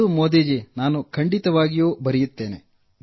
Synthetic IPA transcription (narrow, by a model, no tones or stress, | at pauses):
umoːd̪eːd͡ʒinaːnukʰɐɳɖit̪ɐʋaːɡijuːbɐɾijut̪ːe̞ːne